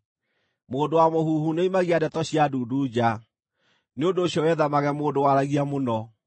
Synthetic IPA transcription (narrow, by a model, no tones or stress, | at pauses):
moːndowamohuːhuneimaɣiadɛtɔɕiaduːdud͡ʑa | neondoːɕjɔwɛðamaɣɛmoːdowaɾaɣiamonɔ